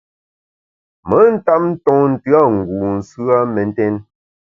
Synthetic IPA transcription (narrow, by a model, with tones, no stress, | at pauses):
mə˨˦n̩˦ta˦p̚n̩˦tɔ̃˦n̩˨tɰa˦˨ŋ̩˨ɡu˨n̩˨sʉ˦a˦mɛ˨n̩˦tɛ˦n